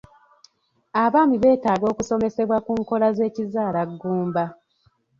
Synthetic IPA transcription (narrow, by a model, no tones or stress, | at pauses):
aβaːmiβe̞ːtaːɡo̞ːkuso̞me̞se̞βwakuːŋko̞laze̞ːcizaːlaɡːuːmba